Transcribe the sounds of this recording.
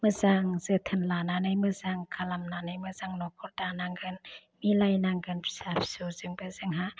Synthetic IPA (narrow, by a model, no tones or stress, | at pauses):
mɯzaŋz̥ət̪ʰənlananɯjmɯzaŋkʰalamnanɯjmɯzaŋnɔkʰɔɾdanaŋɡɯn | milajnaŋɡɯnpsapʰsuzɯŋbɯzɯŋɦa